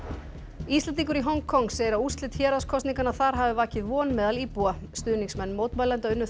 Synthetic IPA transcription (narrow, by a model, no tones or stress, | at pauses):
ist̪lɛnt̪̬iŋkʏɾiɦɔŋkʰːɔŋseːjɪɾawust̪lɪt̪çɛːɾaskʰɔst̪niŋkanaθaɾ̥ɦaːvɪvaːcɪðvɔːnmɛːðalipuːast̪ʏːðniŋksmɛnːmoːwt̪maːjlɛnt̪aʏnːʏ